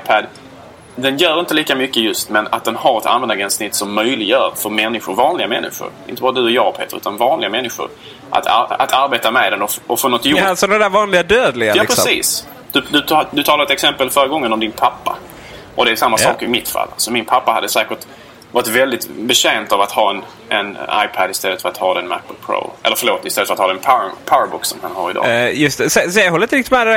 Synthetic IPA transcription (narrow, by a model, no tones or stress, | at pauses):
pʰæd̪ | d̪ɛnjœːɾɪnt̪əliːkamʏkːəjɵst̪mɛna̰t̪̚d̪ɛnhaɾɛt̪ʰa̰nvɛnd̪aɡɛnsnɪt̪ːsɔmːœjlɪɡjœːɾfœɾmɛnːɪɧʊɾvɑːnlɪɡamɛnːɪ̰ɧʊ̰ɾɪ̰nt̪əbɑːɾad̪ɵɔjɑːɡpʰḛːt̪əɾʉ̟ːt̪anvɑːnlɪɡamɛnːɪɧʊ̰ɾ | ʔa̰t̪ʰa̰a̰t̪ʰaɾbeːt̪amɛd̪ɛnɔɔfonɔt̪ːjasɔd̪ɛd̪ævɑːnlɪɡad̪øːd̪lɪɡajɑːpʰɾɛsḭːs | d̪̥ʉd̪ɵt̪ʰd̪ɵt̪ʰɑːlaɾɛt̪ɛksɛmpəlfœːɾəɡɔŋːənɔmd̪ɪnpʰapːa | ʔɔd̪ɛæsamːasɑ̰ːkəɪmɪt̪fa̰lːsɔmːɪnpʰapːaha̰d̪ːəsæːkəɾt̪ | vɑːɾɪt̪vɛld̪ɪt̪bɛɕɛːnt̪avat̪hɑːɛn | ʔɛ̰na̰jpʰæd̪ɪst̪ɛlːət̪fœɾat̪hɑːd̪ɛnmæ̰p̚ːəlpʰɾo̰ːʔɛ̰lːəɾfəɾloːt̪ɪstɛlət̪fœɾat̪hɑːd̪ɛnpʰapʰabʊksɔmhanhɑ̰ːɾɪd̪ɑ̰ːjɵst̪ɛsɛsɛɦɔlːɾɪnt̪ɾɪkt̪ɪt̪mɛːd̪ɛ